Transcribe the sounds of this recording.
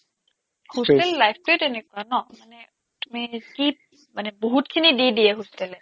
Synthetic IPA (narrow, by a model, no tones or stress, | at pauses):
hostɛlːajp̚ʰtʊjtenekʊwanɔmanɛ | tumiki | manɛboɦutkʰinididiɛɦostɛlɛ